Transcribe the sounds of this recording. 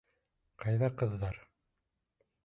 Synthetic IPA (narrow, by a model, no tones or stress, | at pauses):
qɑjðɑqɤ̆ðːɑɾ